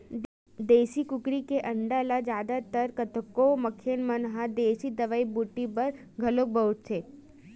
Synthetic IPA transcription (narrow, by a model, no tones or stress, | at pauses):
d̪eːsikʊkɾikeʔəɳɖalad͡ʒad̪at̪əɾkət̪ʰəkoməkʰːenmənɦad̪esid̪əʋaibuʈːibəɾ | ɡʱəlok̚bəutt͡ʃʰe